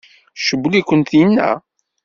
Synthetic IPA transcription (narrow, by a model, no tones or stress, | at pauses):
ʃəbːlikʷənt̪inːæ̰